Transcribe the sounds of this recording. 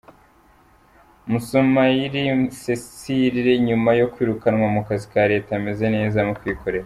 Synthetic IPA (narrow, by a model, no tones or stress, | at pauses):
musomajiɾisesiɾiɾe̞ɲumajo̞kwiːɾukanwamukazikaɾe̞ːtame̞ze̞ne̞ːzamokwiːko̞ɾe̞ɾa